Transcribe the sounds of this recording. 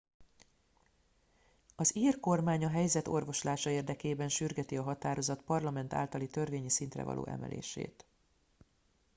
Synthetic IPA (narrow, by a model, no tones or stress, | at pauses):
ɒziːrko̞rmaːɲɒɦɛjzɛt̪o̞̰rvo̞ʃlaːʃɒeːrd̪ɛkeːbɛnʃyrɡɛt̪iɒɦɒt̪aːɾo̞zɒt̪pɒrlɒmɛnt̪a̰ːlt̪ɒlit̪ørveːɲisint̪rɛ̰vɒ̰lʔo̰ːʔɛ̰mʔɛ̰lʔḛːʃḛːt̪